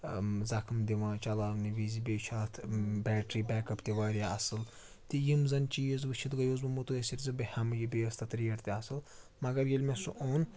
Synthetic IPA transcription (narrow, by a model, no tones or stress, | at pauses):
zɐkʰmd̪iʋãːt͡ʃɐlaːlniʋizibʲeːt͡ʃʰaːt̪ʰbɛːʈɾiːbɛːkɐpt̪iʋaːɾʲjaɐsɨl | t̪ijimzɐnt͡ʃijizʋɨt͡ʃʰit̪ɡɐjoːzbɐmut̪uesiɾʲzɨbihɐmjibejɐst̪ʰɐt̪ɾijɐɾt̪iɐsɨl | mɐɡɐɾjelʲmɛsuʔoːn